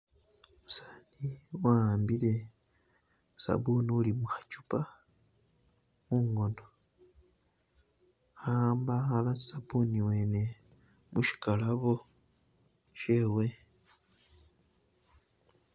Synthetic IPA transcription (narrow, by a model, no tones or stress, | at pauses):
musaːniwambile̞ | sa̰βuniulimuxḁcu̥pa | muːŋɡo̞ndo | xambaxalai̥saβuniwe̞ne̞ | muʃi̥kalaβo̞ | ʃe̞we̞